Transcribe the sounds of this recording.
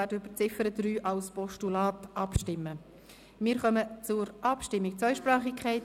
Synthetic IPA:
ɛdøb̥əɾt͡sɪfəɾədɾyːʔɑlspɔʃtulaːtʔɑpʃtɪmːə | mɪːɾχœmət͡sʊɾʔɑpʃtɪmːɪk̚t͡sœʏʃpɾɑːχɪkʰχɛɪt

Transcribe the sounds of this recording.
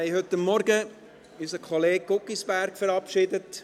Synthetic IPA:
ɛɪhɵtːɑmːɔɾɡə | ysəkχɔleːk̚ɡʊkːisb̥æɾkfəɾɑpʃɪdət

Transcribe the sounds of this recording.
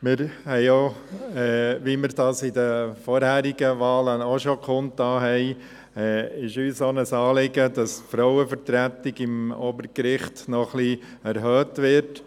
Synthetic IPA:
mɪɾhɛɪoɛːʋimɪɾdɑːsɪd̪əfɔɾhæːɾiɡ̥əʋɑːləoʃokʰʊntɑːɦɛɪ | ɛːɪʃyːsonəsɑːlɪɡədɑsfɾɔʊwəfəɾtɾæt̪ɪɡɪmoːbəɾkɾɪχtnɔχliæɾɦøːtʋɪɾt

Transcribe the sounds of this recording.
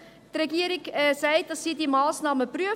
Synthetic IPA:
dreɡiəɾikːsɛɪdɑssiːdimɑːsnɑːməpryə

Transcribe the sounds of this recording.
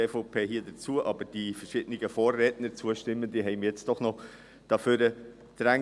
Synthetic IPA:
efoʊpʰeːɦiːdət͡suːəʔɑbəɾd̥ifəɾʃɪːd̥ənɪɡəfoːrːɛːtnəɾt͡suəʃtɪmːəndiɦɛɪmjɛt͡sd̥ɔχnɔ | d̥ɑføːɾə | d̥ɾɛ

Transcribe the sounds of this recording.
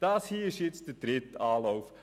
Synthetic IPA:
d̥ɑːshiːɪʃjɪt͡sd̥əd̥ɾɪtɑːlɔwf

